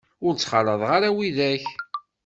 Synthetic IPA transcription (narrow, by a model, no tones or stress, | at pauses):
ʊɾt͡sːχɑləðˤʁaɾawiðæç